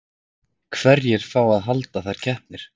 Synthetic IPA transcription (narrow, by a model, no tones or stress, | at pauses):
kʰvɛɾjɛɾ̥faːwaðɦalt̪aθajɾ̥cʰɛhp̚nɪɾ̥